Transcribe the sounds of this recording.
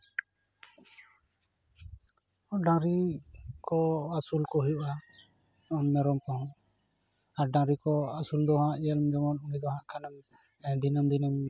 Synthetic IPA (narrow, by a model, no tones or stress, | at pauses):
ɖãɾikɔasulkɔɦujuʔa | ɔnmɛɾɔmkɔhɔ̃ | aɾɖãɾikɔasuld̪ɔɦãʔjəlmd͡ʒɔmɔnunid̪ɔɦãʔkʰanəm | d̪inəmd̪inəm